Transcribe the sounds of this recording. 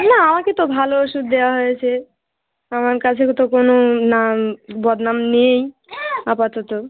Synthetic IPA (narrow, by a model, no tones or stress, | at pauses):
naamaket̪obʱalooʃud̪̚d̪eoaɦojet͡ɕʰe | amaɾkat͡ɕʰekt̪okononambɔd̪namnej | apat̪ɔt̪o